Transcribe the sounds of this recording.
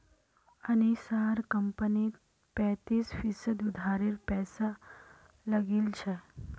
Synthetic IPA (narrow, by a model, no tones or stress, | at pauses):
añisaɾkəmpəniːt̪ | pɛ̃t̪iːsfisəd̪ud̪ʱaɾiɾpɛsa | ləɡiːlt͡ɕʰe